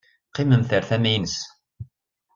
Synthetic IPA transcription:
qːɪmənθəɾθæmijnəs

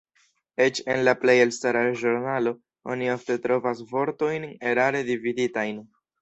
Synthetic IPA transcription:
e̞t͡ʃe̞nlaple̞jelstaɾaʒoɾnalo̞ | o̰niofte̞tɾo̞vas̬vo̞ɾto̞jne̞ɾaɾe̞dividitajn

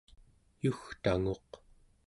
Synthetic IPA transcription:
juxt̪aŋo̞q

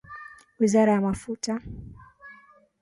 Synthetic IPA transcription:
wizaɾajamafuta

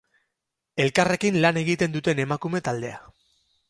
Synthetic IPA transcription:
e̞lkare̞kinlane̞ɣit̪e̞nd̪ut̪e̞ne̞makume̞t̪ald̪e̞a̰

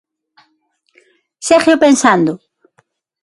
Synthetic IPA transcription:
seχjopensand̪ʊ

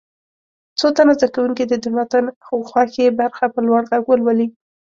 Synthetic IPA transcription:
t͡sot̪anazd̪akawuŋkid̪əd̪ɪmat̪anxowxwɑxebaɾxapəlwaɽɣaɡwəlwali

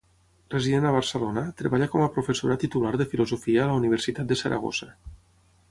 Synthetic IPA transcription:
reziðenəβ̞aɾsəlonat̪ɾeβaʎakɔmapɾofesoɾat̪it̪ulaɾðəfilozofiaːlauniβ̞əɾsit̪at̪̚d̪əsəɾʔa̰ɣ̞o̰za

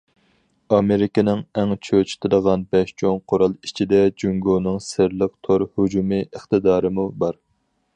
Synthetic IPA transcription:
ɑmeɾɪkʲɪnɪŋɛŋt͡ʃʰøt͡ʃʰi̥t̪ʰɪd̪əʁɑnbɛʃt͡ʃʰoŋqʰoɾɑlˠit͡ʃʰid̪ɛd͡ʒyŋɡonɨŋsɪɾlˠəq̚t̪ʰoɾhud͡ʒumɨəχt̪ɨd̪ɑːɾɨmubɑɾ

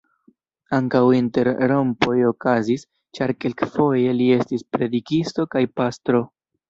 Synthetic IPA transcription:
aŋkawinte̞ɾɾo̞mpo̞jo̞kazis | t͡ʃaɾke̞lkfo̞je̞lie̞stispɾe̞dikisto̞kajpastɾo̞

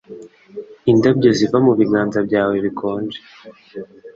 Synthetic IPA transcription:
indabɟozivamuβiɡaːnzab̚ɟaːwe̞βikʰo̞ːnd͡ʒe

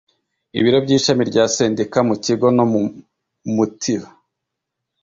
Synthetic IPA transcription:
ḭβiɾo̞bɟiːʃamiɾɟaːse̞ːndekamuciɡo̞nomu | mutʰiɾa

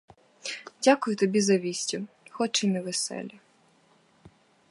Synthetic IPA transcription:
dʲakʊjʊt̪ɔbʲizɐʋʲisʲtʲʊ | xɔt͡ʃɪmɛʋesɛ̰lʲɐ

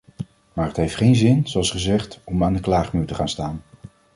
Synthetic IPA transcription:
maːɹɦətɦejftχejnzɪnzoɑlˠsχəzɛχtɔmaːndəklaːχmyːtəχaːnstaːn

